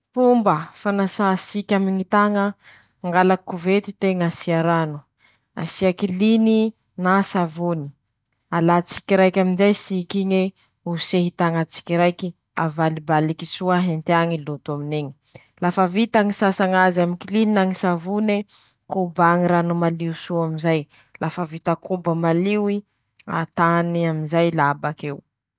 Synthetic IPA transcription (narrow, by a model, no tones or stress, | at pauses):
pumbəfanasasikʲamiŋit̪aŋə | ŋɡalakuvet̪it̪eŋasiaɾanu̥ | a̰siakilini | nasavuni̥ | alat͡si̥kiɾajkʲaminzajsikiɲe | useɦit̪aŋat͡si̥kiɾajki | a̰valibalikisuaɦent̪eaŋilut̪uamineɲi̥ | lafavit̪aŋisasaŋazamikilininaŋisavune | kubaŋiɾanumaliusuaminzaj | lafəvit̪akʰubəmaliwi | a̰t̪aniaminzajlabakew